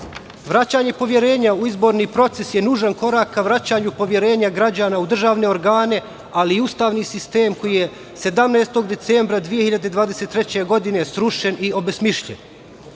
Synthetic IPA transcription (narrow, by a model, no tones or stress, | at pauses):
ʋɾat͡ɕaːɲe̞po̞ʋje̞ɾe̞ːɲauizbo̞ɾniːpɾo̞t̪sesje̞nuːʒanko̞ɾaːkːaʋɾat͡ɕaːɲupo̞ʋje̞ɾe̞ːɲaɡɾad͡ʑaːnaud̪r̩ʒaːʋne̞o̞ɾɡaːne̞ | aliːust̪aːʋniːsist̪e̞ːmko̞jije | se̞d̪amneːst̪o̞ɡd̪e̞t̪seːmbɾad̪ʋije̞hiʎad̪ed̪ʋaːd̪e̞set̪ːɾe̞t͡ɕe̞ɡo̞d̪ine̞sɾuʃe̞nio̞besmiʃʎḛn